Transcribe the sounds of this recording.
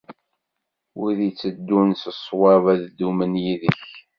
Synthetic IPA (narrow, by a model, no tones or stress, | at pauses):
uðit͡sːəd̪ːunsəsˤwɑvæðd̪umənjiðəç